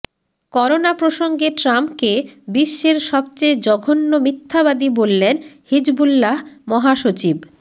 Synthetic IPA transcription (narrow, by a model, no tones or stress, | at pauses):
kɔɾonapɾoʃoŋɡeʈɾampkebiʃːeɾʃɔbt͡ɕejd͡ʑɔɡʱonːomit̪ʰːabad̪ibolːenhid͡ʑbulːaɦmɔɦaʃot͡ɕib